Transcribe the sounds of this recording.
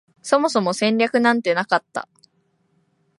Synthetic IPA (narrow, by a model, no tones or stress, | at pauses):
so̞mo̞so̞mo̞sẽ̞ɲʲɾʲakɯ̟nãnt̪e̞nakat̪ːa̰